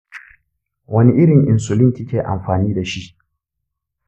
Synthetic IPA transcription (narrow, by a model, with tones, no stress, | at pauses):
wɐ˦ni˦ʔɪ˦ɽɪ˨ŋʔɪ˨nsʊ˨lɪ˦ŋtʲi˦kʲeː˨ʔa̰˨mɸaː˨niː˦da˨ʃi˦ʔ